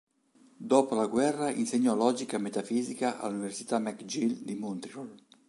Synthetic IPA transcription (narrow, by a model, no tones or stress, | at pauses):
d̪ɔːpolaɡwɛrːaḭnseɲːɔlɔːd͡ʒikamet̪afiːzikaʔa̰lːuniversi̥t̪amɛkd͡ʒild̪imunt̪ɾiɾɔl